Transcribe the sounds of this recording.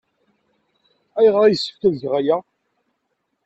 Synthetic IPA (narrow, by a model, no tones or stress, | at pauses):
æjʁəɾˤæjəsːə̥ft̪æðʝʁajæ